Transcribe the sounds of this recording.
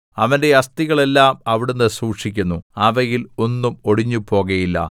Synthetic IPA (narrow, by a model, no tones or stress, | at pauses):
ɐʋɐnde̞ɐst̪iɣɐɭe̞lːaːmɐʋiɽunːɨsuːkʂikʲːunːuaːʋɐjilo̞nːumo̞ɽiɲːupo̞ːɣɐjilːɐ̰